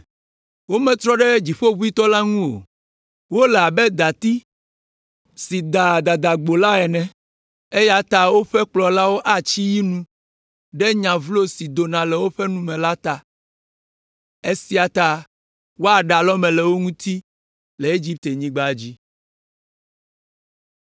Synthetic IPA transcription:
wo˦mɛ̃˨t̪ɾɔ˦ɖɛ˦d͡ʑi˨ɸo˦βu˦i˦t̪ɔ˦la˦ŋũ˦o̰˨ | wo˦lɛ˨a˨bɛ˦d̪a˨t̪i˦ | si˨d̪a˨d̪a˨d̪a˨ɡ͡bo˨la˦ɛ˨nɛ̃˨ | e˦ja˦t̪a˨wo˦ɸɛ˦k͡plɔ˨la˦wo˦ʔa˨t͡ɕi˦ji˦nũ˦ | ɖɛ˦ɲã˨vlo˦si˨d̪o˨nã˨lɛ˨wo˦ɸɛ˦nũ˦mɛ̃˨la˦t̪a˨ | e˦si˦a˨t̪a˨ | wo˦a˨ɖa˨lɔ˦mɛ̃˨lɛ˨wo˦ŋũ˦t̪i˦ | lɛ˨e˦d͡ʒi˦p̚t̪e˨ɲĩ˦ɡ͡ba˦˨d͡ʑi˦

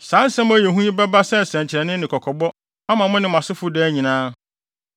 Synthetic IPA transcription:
sãː˨˦n˦sɛ̃˦m̃˦æ˨jɛ˨ɦũ˦i˦bɛ˦ba˦sɛ˦˨sɛ̃˨ɲt͡ɕʰɪ˨ɾɛ˨nɪ̃˦nɪ̃˨kʰɔ˨kʰɔ˨bɔ˦ | a˦mã˨mʊ̃˦nɪ̃˨m̃˨a˨sɪ˦fʊ˦dɛ˦ɲĩ˨nãː˦

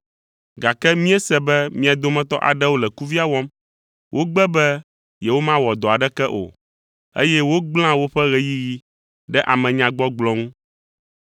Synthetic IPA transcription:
ɡa˨kɛ˦mĩ˦ɛ˦sɛ˨bɛ˦mĩ˦a˨d̪o˦mɛ̃˦t̪ɔ̰˦ʔa̰˨ɖɛ˦wo˦lɛ˨ku˦vi˦a˦wɔ˦m | wʔo˦ɡ͡bɛ˦bɛ˦ | jɛ˨wo˦mã˦wɔ˨d̪ɔ˨a˨ɖɛ˦kɛ˦ʔo̰˨ | ḛ˦jɛ˦wo˦ɡ͡bl̃ã˦wo˦ɸɛ˦ɣɛ˦ji˦ji˦ | ɖɛ˦ʔa˨mɛ̃˨ɲã˨ɡ͡bɔ˦ɡ͡blɔ̃˦ŋũ˦

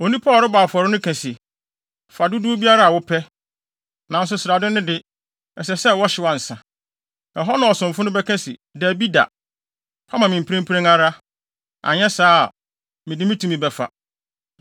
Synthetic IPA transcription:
o˨nĩ˦pʰɔ˦˨ɾɪ˦ba˨fɔ˨ɾɪ˦nʊ̃˦kʰæ̃˨si˨ | fa˨dʊ˦du˦o˦bi˦a˦ɾa˦a˨wʊ˦pʰɛ˦ | nã˨n̩˦s̬ʊ˦sɪ˨ɾa˨dʊ̃˦nʊ̃˦dɪ˦ | ɛ˨sɛ˨sɛ˦wɔ˦ɕɪ˨˦wã˨n̩˨sã˨ | ɛ˨ɦɔ˦nã˨ɔ˨sʊ̃˨m˨fʊ˦nʊ̃˦bɛ˦kʰɛ̃˦sḭ˨da˨bi˦da̰˨ | pʰa˦mã˨mɪ̃˨m̩˨pɾẽ˦mpʰɾẽ˦ŋa˦ɾa˦ | a̰˨ɲɛ̃˦saː˦˨ | mɪ̃˨dɪ˦mĩ˦tʰũ˨mĩ˦bɛ˨fa̰˨

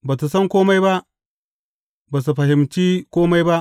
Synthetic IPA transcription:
ba˨tu˨sɐ˦ŋkʷoː˦ma˦jba˦ʔ | ba˨s̬u˨ɸɐ˨hɪ˨mt͡ʃiː˦kʷoː˦ma˦jba˦ʔ

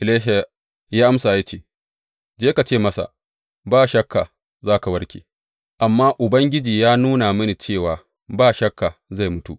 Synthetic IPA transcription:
ʔɪ˨leː˦ʃa˨ | jaː˦ʔa˦msaː˨ja˦t͡ʃeː˨ | d͡ʒeː˦ka˨t͡ʃeː˦˨mɐ˦sa̰˨ | baː˦ʃɐ˦kːa̰˨ | zaː˦ka˨wɐ˦rkʲḛː˨ | ʔa˨mːaː˦ʔʊ˨bɐ˦ŋɡʲɪ˦d͡ʒiː˨jaː˦nuː˦na˨mɐ˦ni˨t͡ʃeː˦˨waː˨ | baː˦˨ʃɐ˦kːa˨za˦˨jmʊ˦tṵ˨ʔ

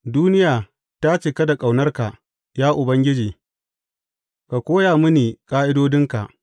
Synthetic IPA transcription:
duː˦nɪ˦jaː˨ | ta˦t͡ʃeː˨kɐ˦da˨kʼa˨wnɐ˦rka˨ | jaː˦ʔʊ˨bɐ˦ŋɡʲɪ˦d͡ʒiː˨ | ka˨kʷoː˦jaː˨mʊ˦niː˨kʼaː˦ʔɪ˦doː˦dɪ˦ŋka̰˨ʔ

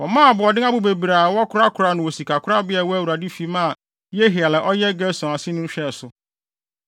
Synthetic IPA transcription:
wɔ˨mãː˦˨bʊ˨ɔ˨dɪ̃˦ŋã˦bʊ˦be˨bɾa˨wɔ˦kʰʊ˦ɾa˦kʰʊ˨ɾa˨nʊ̃˨wo˨si˨kʰa˨kʰʊ˦ɾa˦bɪ˦a˨wɔ˦æ˦˨wu˨ɾa˨di˦fi˦mã˦˨ | je˦ɦi˨a˨lɛ˨ʔɔ˦jɛ˦ɡɛ˦sɔ̃˨a˨sɪ˦nʊ̃˦ɕᶣɛ˦˨sʊ˨

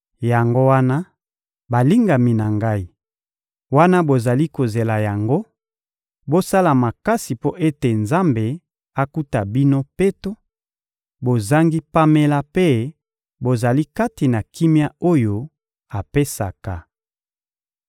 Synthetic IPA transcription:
ja˨ŋɡo˦wa˦na˦ | ba˨li˦ŋɡa˨mi˨na˨ŋɡa˦i˦ | wa˦na˦bo˨za˨li˦ko˨ze˨la˨ja˨ŋɡo˦ | bo˦sa˦la˨ma˨ka˦si˨po˦ʔe˦te˨nza˦mbe˨ | a˨ku˦ta˨bi˦no˦pe˦to˦ | bo˨za˦ŋɡi˦pa˦me˦la˦pe˦ | bo˨za˨li˦ka˦ti˨na˨kʰi˦mja˦o˦jo˨ | a˨pe˦sa˨ka˨

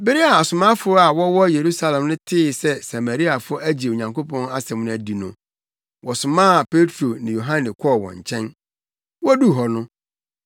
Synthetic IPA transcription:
bɪ˦ɾi˦a˨a˨sʊ˨mã˦fʊ˦ɾʊ˦a˨wɔ˦wɔ˦je˨ɾu˦sa˦˨lɛ̃˨mnʊ̃˦tʰɪ˦˨sɛ˦sa˨mæ˨ɾi˦a˨fʊ˦æ˦d͡ʑi˨o˨ɲã˨ŋkʰo˦pʰɔ̃˦na˦sɛ̃˨mnʊ̃˦æ˨di˨nʊ̃˨ | wɔ˨sʊ˨mãː˦˨pʰe˦tʰɾo˨nɪ̃˨jo˨ɦã˦nɪ̃˨kʰɔ˦˨wɔ̰̃˨ɲ˨t͡ɕʰɛ̃˦n | wɔ˦du˦˨ɦɔ˨nʊ̃˦

